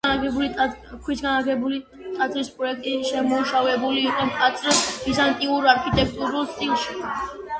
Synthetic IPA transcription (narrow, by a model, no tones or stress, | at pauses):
aɡɛbulikʰwisɡanaɡɛbuli | t̪ʼat̪sʰʼɾispʼɾɔɛk̚ʰt̪ʼiʃɛmuʃavɛbuliːqʼwɛmkʼat̪sʰʼɾɛsizant̪ʼiuɾaɾkʰit̪ʼɛk̚ʰt̪ʼuɾulˠst̪sʼilˠʃi